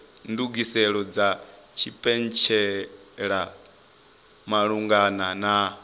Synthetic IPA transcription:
nduɡisɛɺɔd͡zat͡ʃʰipʼɛnt͡ʃʰɛ | ɺa | maɺuŋɡanana

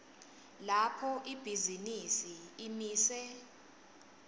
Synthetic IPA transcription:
lapʰɔʔib̥ʱizinisiːmiːsɛ

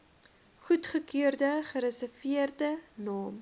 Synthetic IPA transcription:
χutχəkøərdəχəɾəsəfiərdənɑːm

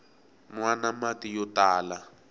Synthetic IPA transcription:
nwanamatijɔtaːla

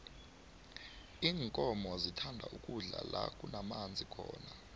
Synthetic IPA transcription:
iːŋkʼɔmɔzitʰandʱa̰ʔukʼuɮa̰lakʼunamand͡zʱikʰɔːna

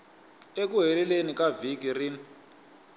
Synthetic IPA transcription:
ek̬uɦɛlɛlenikavik̬irin

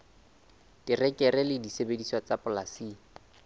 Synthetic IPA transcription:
tɪrɛkʼɛɾɛlɪdisebediswɔt͡sapʊlasiː

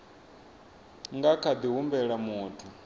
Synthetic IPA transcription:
ŋɡakʰad̪iɦumbɛɺamuːtʰu

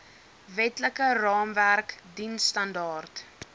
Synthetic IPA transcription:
vɛtləkərɑːmværkdinstɐndɑːrt

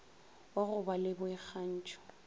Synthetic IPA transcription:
waɣʊbalɪbʊɛk͡xan̩ːt͡ʃʰʼɔ̥

